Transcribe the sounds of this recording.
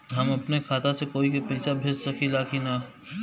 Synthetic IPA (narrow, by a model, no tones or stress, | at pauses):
ɦɐmɐpnekʰaːt̪asekoːikepɪːsabʱɪssɐkʰilaːkʰinɐ